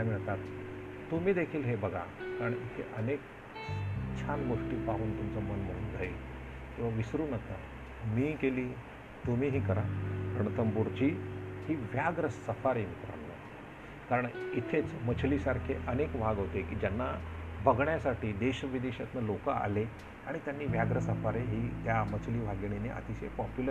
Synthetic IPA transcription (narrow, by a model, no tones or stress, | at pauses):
ajmiɭt̪at̪ː | umiːd̪ekʰiːlɦebəɡʱa̰kaɾəɳit̪ʰeʔənek | t͡ɕʰanʋəʂʈiːpaɦuːnt̪umt͡səmənməɽuːnɡʱəil | kĩʋaʋisɾuːnəka̰ | miːkeliː | t̪um̤iːɦiːkəɾaɾəɳt̪əmbuɾt͡ɕiːhiːʋjaɡɾəsəfaɾemit̪ɾa̰lːə̰ | kaɾəɳit̪ʰet͡smət͡ɕʰliːsaɾkʰeʔənekbʱaɡɦot̪ekiːd͡ʑjanːabʱəɡɳjasaʈʰiːd̪eɕəʋid̪eɕat̪nalokaa̰le | aɽ̃it̪janːiːʋjaɡɾəsəfaɾeɦiːt̪jamət͡ɕʰliːʋʱaɡɳ̃enḛʔə̰t̪iɕepɔpjulə